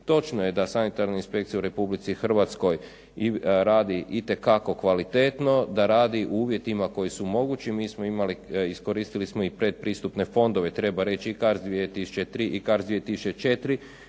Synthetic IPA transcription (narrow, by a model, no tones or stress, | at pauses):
t̪o̞t͡ʃnoje̞d̪asanit̪aɾnainspe̞k̚t̪sijauɾe̞publit̪sixr̩ʋat̪sko̞j | ɾaːd̪iʔit̪e̞kako̞kʋalit̪et̪no̞d̪aɾaːd̪iʔuuːʋje̞t̪imako̞jisumo̞ɡut͡ɕimiːsmo̞imaliisko̞ɾiːst̪ilismoipɾe̞d̪̚pɾiːst̪upne̞fo̞nd̪o̞ʋe̞t̪ɾe̞baɾe̞t͡ɕiikaɾzd̪ʋiet̪isu̥t͡ʃe̞t̪ɾiʔikaɾzd̪iet̪isu̥t͡ʃet͡ʃe̞t̪ɾi